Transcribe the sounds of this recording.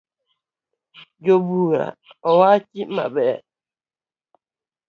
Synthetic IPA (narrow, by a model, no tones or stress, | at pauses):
d͡ʒobuɾa̰ɔwaːt͡ʃima̰ɓɛ